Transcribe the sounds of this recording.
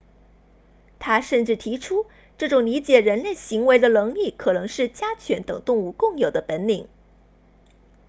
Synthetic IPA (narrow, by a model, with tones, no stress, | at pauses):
t̪ʰa˥ʂə˥˧nʈ͡ʂɻ̩˥˩t̪ʰi˧˥ʈ͡ʂʰu˥ | ʈ͡ʂɤ˥˩ʈ͡ʂʊ˨˩ŋli˧˥t͡ɕjɛ˨˩ɻə˧˥nle˥˩ɪɕi˧˥ŋwe˧˥ɪd̪ə˧nɤ˧˥ŋli˥˩kʰɤ˨˩nɤ˧˥ŋʂɻ̩˥˩t͡ɕja˥t͡ɕʰɥɛ˧˥nt̪ɤ̰˨˩ŋt̪ʊ˥˧ŋu˥˧kʊ˥˩ŋjo˨˩ʊd̪ə˦pə˧˥nli˨˩˦ŋ